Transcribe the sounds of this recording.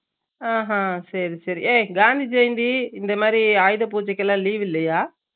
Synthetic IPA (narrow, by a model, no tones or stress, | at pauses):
aːɦãːsɐɾisɐɾḭʔeːɡaːnd̪id͡ʒɐjnd̪iɪnd̪ɐmaːd̪ɾiaːjðɐp̬uːt͡ʃɐkːɐlãːliːʋɪlːɐjaː